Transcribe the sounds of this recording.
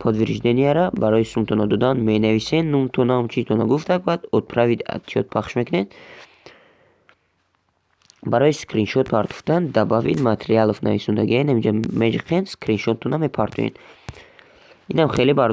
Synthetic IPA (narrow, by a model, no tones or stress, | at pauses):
pʰɔd̪viɾʒd̪eniaɾabaɾɔjisumt̪ʰɔnad̪ɔd̪anmenavisenːumt̪ʰɔnamt͡ʃʰizt̪ʰɔnaɡuft̪ʰaɡvad̪ɔt̪̚pʰɾavid̪a̰t̪ʰiɔt̪̚pʰaχʃmekʰuned̪ | baɾɔiskɾinʃɔt̪̚pʰaɾt̪ʰu̥ft̪and̪abavḭd̪mat̪ʰeɾialɔfna̰visund̪aɡiainamid͡ʒamed͡ʒiqʰenskɾinʃɔt̪ʰːɔname̞pʰaɾt̪ʰṵḛn | inamχelibaɾ